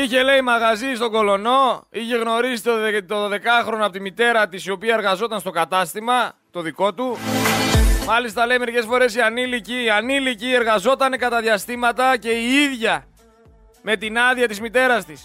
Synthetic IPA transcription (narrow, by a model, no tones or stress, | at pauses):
içe̞le̞imɐɣɐzist̪o̞ɡo̞lo̞no̞içe̞ɣno̞ɾisit̪t̪oðoðe̞kɐxɾo̞nɐpot̪imit̪e̞ɾɐt̪isio̞piɐeɾɣɐzo̞t̪ɐnst̪o̞kɐt̪ɐst̪imɐt̪o̞ðiko̞t̪u | mɐlist̪ɐle̞ime̞ɾice̞sfo̞ɾe̞siɐniliciɐnilicie̞ɾɣɐzo̞t̪ɐne̞kɐt̪ɐðʝɐst̪imɐt̪ɐce̞iiðʝɐ | me̞t̪inɐðiɐt̪izmit̪e̞ɾɐst̪is